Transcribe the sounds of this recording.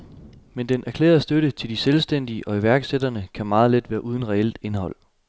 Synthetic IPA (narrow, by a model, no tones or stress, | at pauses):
mend̥enʔæɐkʰlḛːɐðˠsd̥øɾ̥ət͡sʰe̝ld̥iselsd̥en̰d̥iəʔɒ̽iʋæɐɡ̥sed̥ɐnəkʰæmɑ̈ːð̞̩ˠled̥ʋæːɐʔuːð̞ˠn̩ʁɛel̰d̥e̝nhɒ̽l̰